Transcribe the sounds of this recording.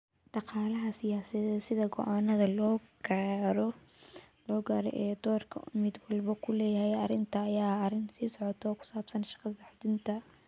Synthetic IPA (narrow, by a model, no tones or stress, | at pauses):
ɖ̥ɑqɑːlɐɦɐsɪjaːsɐɛsɪðɐɡɔ̰ʔaːnɐðɐlɔːɡaːɾɔ | lɔːɡaːɾɔ̰ʔɛːd̪ɔːrkʰɐ̰ʊmɪd̪wɑlbɐkʰʊlɛːjɐhɛjɐrɪnt̪ʰɐːjaːrɪnsiːsɔʕɔt̪ʰɔːkʰʊ̥saːbsɐnʃɑ̥qɑðɐħʊd̪ɪnt̪ʰɐ